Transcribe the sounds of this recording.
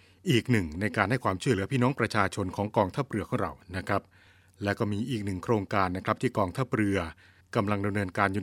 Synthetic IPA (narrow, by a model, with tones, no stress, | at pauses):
ʔiː˨˩k̚nɯ˨˩ŋna˧jkaː˧nha˥˩jkwaː˧mt͡ɕʰu˥˩əlɯ˩˦ɐpʰiː˥˩nɔː˦˥ŋpɾa˧t͡ɕʰaː˧t͡ɕʰo˧nkʰɔː˩˦ŋkɔː˧ŋt̪ʰa˦˥˩p̚ɾɯ˧ɐkʰɔː˧˥˩ŋɾa̰˧˩wna˦˥kʰɾa˦˥p̚ | lɛ˦˥wkɔː˥˩miː˧ʔiː˨˩k̚nɯ˨˩ŋkʰɾoː˧ŋkaː˧nːa˦˥kʰɾa˦˥t̪ʰiː˥˩kɔː˧ŋt̪ʰa˥˩p̚ɾɯ˧ɐ | ka˧mla˧ŋda˧mnɤː˧nkaː˧nju˨